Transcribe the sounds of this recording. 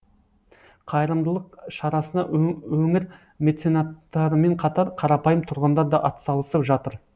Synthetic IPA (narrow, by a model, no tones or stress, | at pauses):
qʰɑjəɾəmd̪əlˠəqʃɑɾɑsənɑ̰wɵŋɪɾ | mʲe̞t̪senɑt̪ːɑɾəme̞ɴqʰɑt̪ɑɾqʰɑɾɑpɑjəmt̪ʰʊɾʁɑnd̪ɑɾd̪ɑʔɑt̪sɑlˠəsəpʒɑt̪əɾ